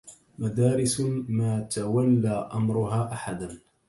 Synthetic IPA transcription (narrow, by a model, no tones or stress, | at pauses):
mad̪aːɾɪsmaːt̪awalːaːʔamɾʊɦaːʔaħad̪an